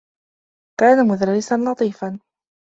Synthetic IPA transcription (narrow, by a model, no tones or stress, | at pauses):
kaːnamʊðaɾːɪsanlɑt̪ˤiːfan